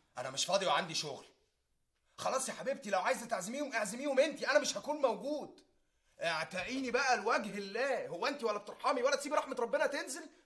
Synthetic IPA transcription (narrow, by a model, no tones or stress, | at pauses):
ʔænæmeʃfɑːd̪ˤiweʕand̪iʃoɣl | xɑlɑːsˤjħabeb̚t̪ilæwʕaːjezæt̪aʕzemiːhomʔeʕzemiːhomʔent̪iʔænæmeʃhækuːnmæwɡuːd̪ | ʔʕt̪æʔiːnibæʔælwæɡhelːæːhowːæʔent̪iwælːæb̚t̪eɾˤħɑːmiwælːæt̪siːbɾɑħmet̪ɾˤɑbːenæt̪enzel